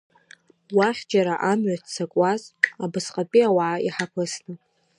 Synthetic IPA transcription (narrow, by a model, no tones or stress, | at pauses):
waχʲd͡ʒaɾaʔamɥatʰt͡sʰakʷʼazabɨsqʼapʼiawaʕaiħapʰɨsnɨ